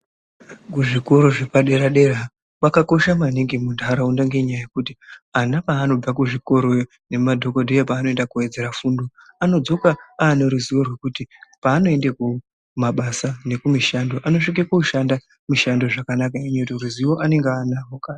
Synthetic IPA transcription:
kuʐiko̞ɾo̞ʐe̞paɗe̞ɾaɗe̞ra | pakako̞ʃamaniŋɡimundʱaɾaundaŋɡe̞ɲajajekutianapaːno̞b͡vakuʐiko̞ɾo̞ | ne̞madʱo̞kondejepaːno̞endakue̞d͡ze̞ɾafuːndo | ano̞d͡zo̞kaaːneɾuziʋo̞rwe̞kutipaːno̞e̞ndeku | maɓasane̞kumiʃando̞ʔano̞ʂik̬ekouʃanda | miʃando̞ʐakanakaiɲoutiruziʋo̞ʔane̞ŋɡeanaɦokaː

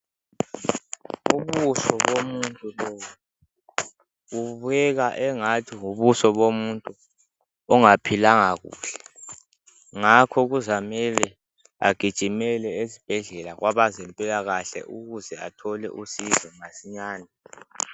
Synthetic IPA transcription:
uβusɔβomuntʼulɔ | ɣuβujɛɣaʔɛŋatʰiŋuβusɔβomuntʼu | ɔŋapʰilaŋaɣṵːɬɛ̥ | ŋakʰɔɣ̬uzamɛlɛ | a̰ɡ̥ʱid̥ʒ̥ʱimɛlɛezib̥ʱɛɮɛlaɣwʔaβazɛmpʼɛjaɣaɬɛ̰ʔuɣuzɛa̰tʰɔlɛ̰ʔusizɔŋasiɲaːna

